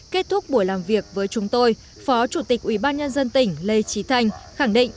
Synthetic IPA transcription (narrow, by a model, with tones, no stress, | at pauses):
ke˦˥t̚t̪ʰʊ˦˥k͡p̚ɓu˧˩əjlaː˨˩mvi˨˩ək̚vəː˨˦jt͡ɕʊ˨˦ŋ͡mt̪o˧j | fɔ˨˦t͡ɕu˧˩t̪ï˨˩k̚ʔwi˧˩ɓaː˧nɲə˧nzə˧nt̪ï˧˩ŋ̟le˧t͡ɕi˨˦t̪ʰa˧jŋ̟xa˧˩ŋɗḭ˧˨ŋ̟